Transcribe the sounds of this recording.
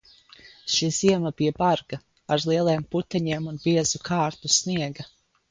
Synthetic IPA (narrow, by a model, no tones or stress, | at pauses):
ʃiz̥iɛmɐbijɛbaɾɡ̥ɐ | aɾlˠiɛlˠɛːmput̪ɛɲiɛmunbiɛzukʰaːɾt̪usniɛɡɐ